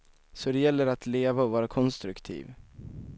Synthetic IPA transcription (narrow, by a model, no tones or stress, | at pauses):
sɔd̪ɛjɛlːəɾat̪ʰleːvaɔvɑːɾakʰɔnst̪ɾɵkt̪ʰḭːv